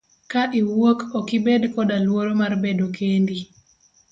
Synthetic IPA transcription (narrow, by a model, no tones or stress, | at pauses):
kaʔiwokɔkibedkɔdalwoɾomarbedokʰendi